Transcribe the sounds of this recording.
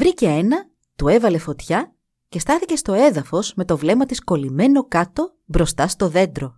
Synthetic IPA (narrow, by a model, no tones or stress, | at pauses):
vɾice̞enɐ | t̪ue̞vɐle̞fo̞t̪çɐ | ce̞st̪ɐθice̞st̪o̞e̞ðɐfo̞zme̞t̪o̞vle̞mɐt̪isko̞lime̞no̞kɐt̪o̞ | bɾo̞st̪ɐst̪o̞ðe̞nd̪ɾo̞